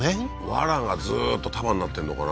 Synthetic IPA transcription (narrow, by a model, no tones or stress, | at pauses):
e | βa̰ɾãŋɡazɨːt̪ːo̞t̪ʰamãɲ̟ːnat̪ːe̞nːo̞kana